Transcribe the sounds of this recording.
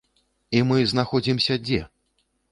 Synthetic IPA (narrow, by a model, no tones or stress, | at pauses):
imɨznaxɔd͡zʲimsʲɐd͡zʲɛ